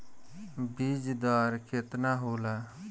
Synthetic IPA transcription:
bid͡ʒd̪aːɾkʰet̪naɦoːla

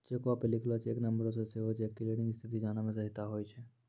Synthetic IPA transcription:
d͡ʒeːkoaːpelɪkʰlat͡ʃeːknɐmbəɾos̬eseɦot͡ʃʰeːkːileɽɪ̃ŋɡɪst̪ʰit̪id͡ʒaːnamẽsɐɦɪt̪aɦoːjt͡ʃʰe

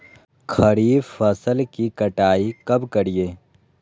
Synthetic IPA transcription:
kʰɐɾiːfɐsəlkikɐʈaːikɐbkɐɾijeː

